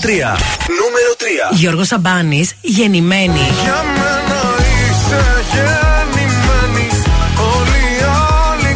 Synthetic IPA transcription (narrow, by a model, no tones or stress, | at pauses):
t̪ɾiɐ̰ | numeɾot̪ɾiɐ̰ʝo̞ɾɣo̞sɐbɐnis | ʝe̞nime̞niʝɐmenɐiseʝenimenioli | ɐli